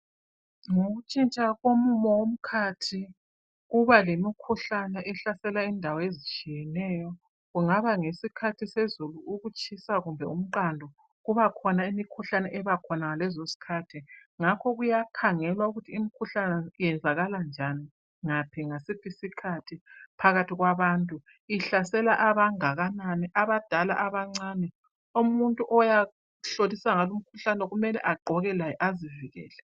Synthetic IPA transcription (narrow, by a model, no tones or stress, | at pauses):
ŋoɣut͡ʃʼint͡ʃʼaɣomumɔwom̩kʰatʰi | ɣuβalemikʰuɬanɛʔɛɬasɛlaindʱawɔezit͡ʃʼijɛnɛjɔ | ɣuŋaβaŋesikʰatʰisezuluʔuɣut͡ʃʼisaɣumbʱɛum̩ǃandʱɔ | ɣuβakʰɔnaimikʰuɬanɛʔɛβakʰɔnaŋalɛzosi̥kʰatʰiŋakʰɔɣujakʰaŋɛlwauɣutʰiːmikʰuɬanɛjɛnd͡zʱaɣaland͡ʒʱani | ŋapʰiŋasipʰisikʰatʰipʰaɣatʰiɣwaβantʼu | iɬasɛlaʔaβaŋaɣananɛʔaβad̥ʱala̰ʔaβaŋ͡ǀanɛ | umuntʼuʔɔja | ɬolisaŋalum̩kʰuɬanɛɣumɛlɛ̰ʔaɡ͡ǃʱɔɣɛlajɛʔaziviɣɛ̰ːlɛ